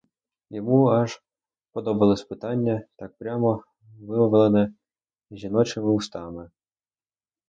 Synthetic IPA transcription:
jɔmuɑʒ | pɔd̪ɔbɐlˠɪspɪt̪ɑnʲːɐt̪ɑk̚pɾʲamɔ | ʋɪmɔʋlˠenɛ | ʒʲinɔt͡ʃɪmɪust̪ɑmɪ

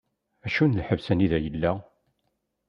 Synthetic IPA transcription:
æʃunəlħəvsæniðæjəlːæ

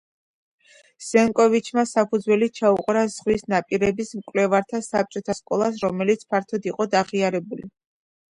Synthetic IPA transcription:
z̥ɛŋkʼɔvit͡ʃʰmasapʰud̪zwɛlit͡ʃʰauqʼɾazʁwisnapʼiɾɛbismkʼwlɛvaɾt̪ʰasap̚t͡ʃʼɔt̪ʰaskʼɔlˠas̬ɾɔmɛlit̪sʰpʰaɾt̪ʰɔd̪iqʼɔd̪aʁiaɾɛbulḭ

